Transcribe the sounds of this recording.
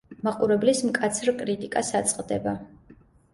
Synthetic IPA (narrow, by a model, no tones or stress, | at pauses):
maqʼuɾɛblismkʼat̪sʰɾkʼɾit̪ʼikʼasat̪sʼqʼd̪ɛba